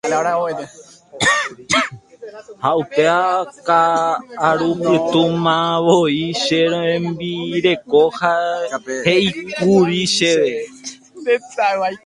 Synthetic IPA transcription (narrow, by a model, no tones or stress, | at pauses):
aɾaoe | haʔupeakaː | ɾumɨt̪ũmãʋoiʃeɾoẽmbiɾe̞ko̞ha | heikuɾiʃeʋe | d̪etawaj